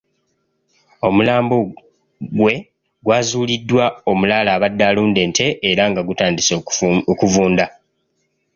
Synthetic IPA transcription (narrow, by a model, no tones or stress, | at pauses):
o̞mulaːmbo | ɡwe̞ | ɡwaːzuːlidːwao̞mulaːlaːβadːaːluːnde̞ːntʰe̞ʔːɾaŋɡaɡutaːndisokuvuːnda